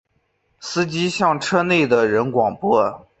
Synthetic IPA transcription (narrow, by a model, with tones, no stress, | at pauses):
sɹ̩˥t͡ɕi˥ɕjɑ˥˩ŋʈ͡ʂʰɤ˥ne˥˩ɪd̪ə˩ɻə˧˥nkwɑ˨˩ŋpwɔ˥˩